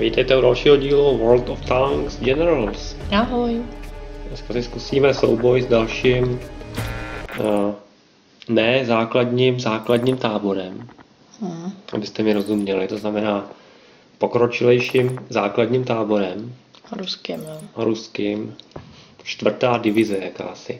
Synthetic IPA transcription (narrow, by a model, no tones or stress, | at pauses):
viːt̪ɛjt̪ɛudalʃiːɦoɟiːluvɔlt̪oft̪aŋksd͡ʒɛnɛɾalsaɦoj | sasɪskusiːmɛso̰wbo̞jzdalʃiːm | nɛzaːkladɲimzaːkladɲimt̪aːbo̞ɾɛm | ʔa̰bɪst̪ɛmɪɾo̞zumɲɛlɪt̪o̞znamɛnaː | po̞kɾo̞t͡ʃɪlɛjʃimzaːkladɲiːmt̪aːbo̞ɾɛmɾuskiɾuskɪm | t͡ʃt̪vr̩t̪aːdɪvɪzɛjaka̰ːsɪ̰